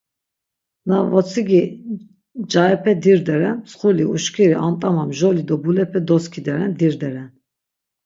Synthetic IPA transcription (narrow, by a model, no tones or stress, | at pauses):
navɔt͡sʰiɡi | d͡ʒaɛpʰɛd̪iɾd̪ɛɾɛnsχuliuʃkʰiɾiʔant̪ʼamamʒɔlid̪ɔbulɛpʰɛd̪ɔskʰid̪ɛɾɛnd̪iɾd̪ɛɾɛn